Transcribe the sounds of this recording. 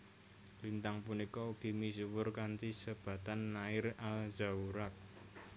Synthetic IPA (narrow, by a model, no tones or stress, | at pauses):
lint̪aŋpunikɔuɡ̥i̤misuwʊrkant̪isəb̥ä̤t̪anːaɪralza̤uɾak̚